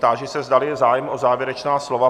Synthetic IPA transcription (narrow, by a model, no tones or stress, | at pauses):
t̪aʒɛsɛzdalɪzaːjɛmʔozaːvjɛɾɛt͡ʃnaːslo̞va